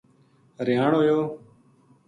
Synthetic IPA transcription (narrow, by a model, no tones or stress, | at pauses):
ɾɪjaːɳɦojoː